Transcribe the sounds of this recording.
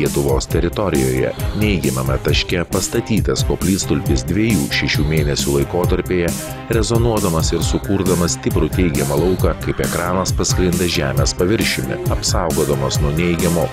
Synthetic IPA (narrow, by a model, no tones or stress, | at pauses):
iɛt̪ʊʋoːst̪ʲɛɾʲɪt̪ɔɾʲɪ̰jo̰ːjɛ̰nʲɛɪɡʲɛmʲɐmʲɐt̪ɐʃʲkʲɛpɐst̪ɐt̪ʲiːt̪ɐskoːpʲlʲiːt̪st̪ʊlʲpʲɪsd̪ʲʋʲiɛjuːʃʲɛʃʲuːmʲeːnʲɛsʲuːlˠɐɪkoːt̪ɐɾʲpʲeːjɛ | ɾʲɛzɔnuɔd̪ɐmɐsɪɾsʊkuːɾd̪ɐmɐsʲt̪ʲɪpɾʊt̪ʲɛɪɡʲɛmɐlˠɐʊkɐkɐɪpɛkɾɑːnɐspɐsklʲɪnd̪ɐʒʲæ̰ːmʲeːspɐʋʲɪɾʲʃʲʊmʲɪ̰ɐpsɑˑʊɡoːd̪ɐmosnuɔnʲɛɪɡʲɛmo